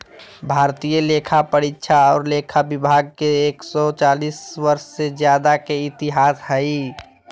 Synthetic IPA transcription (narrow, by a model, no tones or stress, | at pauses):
bʱaːɾt̪ijəleːkʰapəɾitːʃʰaɔːɾleːkʰabɪbʱaɡ̚keeːksɔt͡ʃaːliːswəɾʃsed͡ʒjaːd̪akeɪt̪ɪɦaːshəi